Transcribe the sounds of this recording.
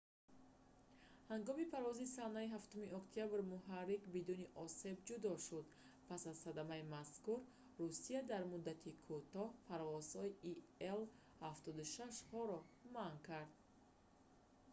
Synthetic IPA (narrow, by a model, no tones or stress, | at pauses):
haŋɡɔmipʰaɾvɔzisanaiɦaft̪umiʔɔkt̪ʰijabɾmuɦarːiqbid̪uniʔɔse̞bd͡ʒud̪ɔʃud̪ | pʰasazsad̪amaimaskuɾː | usiad̪aɾmud̪ːat̪ʰikʰut̪ɔhpʰaɾvɔz̥hɔiʔiel | haft̪ɔd̪uʃaʃhɔɾɔmankʰaɾd̪̚